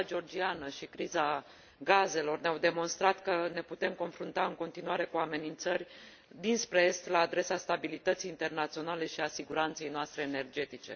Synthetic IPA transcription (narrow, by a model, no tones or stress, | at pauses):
d͡ʒeo̞rd͡ʒianəʃikɾiza | ɡaze̞lo̞rneawd̪e̞mo̞nst̪ɾat̪kəne̞put̪e̞mko̞nfɾunt̪aɨŋko̞nt̪inuaɾe̞kuame̞nint̪sərʲ | d̪inspɾest̪laːd̪ɾe̞sast̪abilit̪ət̪sijiːnt̪e̞rnat̪sio̞nale̞ʃiasiɡuɾant̪se̞jnoast̪ɾe̞ːne̞rd͡ʒe̞t̪it͡ʃe̞̰